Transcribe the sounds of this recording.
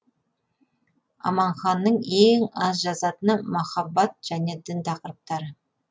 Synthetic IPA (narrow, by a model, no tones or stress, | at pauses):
ɑ̰mɑɴχɑnːəɴeŋɑzʒɑzɑt̪ənəmɑχɑbːɑt̪̚ʒ̥æne̞d̪ɪnt̪ʰɑqəɾəp̚t̪ɑɾə